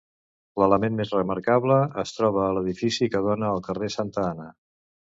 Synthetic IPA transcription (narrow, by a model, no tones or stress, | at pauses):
lələmenmezrəməɾkaβləəst̪ɾɔβ̞əːləðifisikəð̞onəːlˠkəresant̪əanə